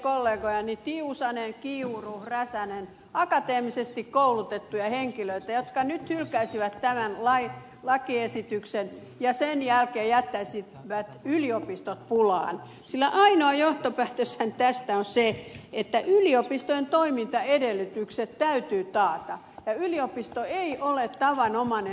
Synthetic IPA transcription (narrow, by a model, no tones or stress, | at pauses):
kolːeːɡojɑnit̪iusɑnenkiuruhræsænen | ɑkɑt̪eːmisest̪ikkoulut̪et̪ːujɑheŋkiløit̪æjot̪kɑnyt̪hylkæisiʋæt̪t̪æmænlɑi | lɑkiesit̪yksen | jɑsenjælkeːjæt̪ːæisi | ʋæt̪yliopist̪ot̪̚pulɑ̰ːn | silːæʔɑinoɑjoht̪opæːt̪øshænt̪æst̪æonseet̪ːæʔyliopist̪oent̪oimint̪ɑedelːˑyt̪ykset̪t̪æyt̪yːt̪ɑːt̪ɑ | jɑyliopist̪oeiʔolet̪t̪ɑʋɑnomɑne